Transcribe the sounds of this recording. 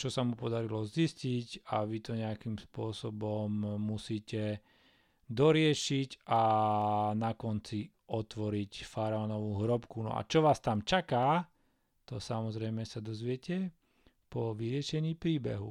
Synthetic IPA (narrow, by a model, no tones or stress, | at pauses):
t͡ʃɔsamupɔd̪aɾilɔziscicaʋit̪ɔɲɛakimspʊɔsɔbɔmːusiːcɛ | d̪ɔɾɪɛʃica | nakɔnt͡si | ɔt̪ʋɔɾicfaɾaɔnɔʋuːɦɾɔpkunɔ̰a̰t͡ʃɔʋaːst̪amt͡ʃakaː | t̪ɔsamɔzɾɛmɛsad̪ɔzʋɪɛcɛ | pɔʋiɾɪɛʃɛɲiːpɾiːbɛ̰ɦṵ